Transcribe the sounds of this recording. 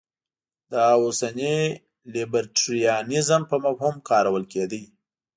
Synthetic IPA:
d̪əosani | libəɾʈɾijɑnɪzəmpəmafhumkɑɾawəlked̪əj

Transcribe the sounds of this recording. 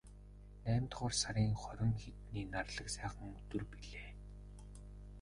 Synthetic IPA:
næːmʲt̪χɔːrsaɾʲiːŋχɔɾʲɪ̆ŋxet̪niːnarɮə̆ksæːχə̆ŋɵt̪ɵ̆rpiɮeː

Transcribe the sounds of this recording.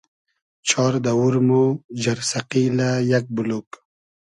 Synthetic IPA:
t͡ʃʰɑːɾd̪awuɾmud͡ʑaɾsaqilajak̚buluk

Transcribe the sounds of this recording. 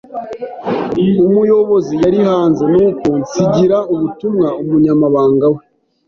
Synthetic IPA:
umujo̞βozijaɾihaːnze̞nuːko̞nsiɟiɾauβutumŋaumuɲamaβaːŋɡawe

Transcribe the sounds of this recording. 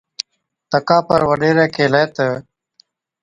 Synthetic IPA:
t̪əkaːpɐɾwəɖeːɾeːkeːleːt̪ə

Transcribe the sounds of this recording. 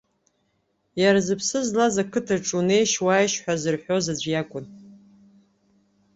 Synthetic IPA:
jaɾazɨpʰsɨzlazakʰɨtʰaʈ͡ʂʼune̞jʃwaːjʃħʷᶣazɨrħʷᶣozad͡ʒʷjakʷʼʊn

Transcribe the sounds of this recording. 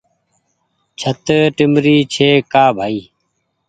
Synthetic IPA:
t͡ʃʰət̪ʈɪmɾiːt͡ʃʰeːkaːbʱaːiː

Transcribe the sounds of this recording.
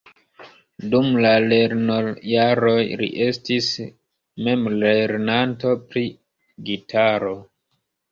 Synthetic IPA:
dumlaleɾnojaɾo̞jɾḭʔe̞stis | me̞mleɾnanto̞pɾi | ɡitʰaɾo̞

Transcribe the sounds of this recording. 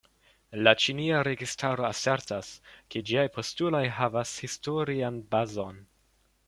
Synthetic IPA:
lat͡ʃiniaɾe̞ɡistʰaɾo̞ase̞ɾtaske̞d͡ʒiajpʰo̞stulo̞jɦavashistoɾianbazo̞n

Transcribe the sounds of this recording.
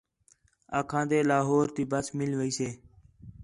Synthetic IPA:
a̰ːkʰãːd̪eːlaːɦoːɾt̪iːbəsmɪlʋəiːseː

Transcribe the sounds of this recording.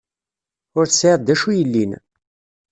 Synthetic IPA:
ʊɾθsiˤd̪æʃujəlːin

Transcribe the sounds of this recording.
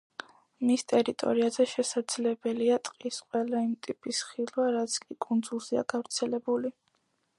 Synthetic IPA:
mist̪ʼɛɾit̪ʼɔ̰ɾiazɛʃɛsad̪z̥lɛbɛliat̪ʼqʼisqʼwɛlˠaimt̪ʼipʼisχilˠwaɾat̪sʰkʼikʼund̪zulˠzia̰ɡ̥avɾt̪sʰɛlɛbuli

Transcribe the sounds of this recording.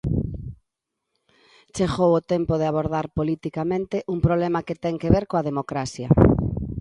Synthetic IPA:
t͡ʃeɣowot̪ɛmpoð̞eaβoɾðaɾpolit̪ikamẽnt̪eʔuŋpɾoβlemaket̪ɛŋkeβeɾkoaðemokɾasjɐ

